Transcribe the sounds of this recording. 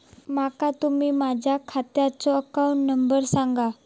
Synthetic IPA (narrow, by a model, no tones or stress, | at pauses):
makat̪umiːmad͡ʑʱjakʰat̪jat͡sɔəkauɳʈnəmbəɾsaŋɡa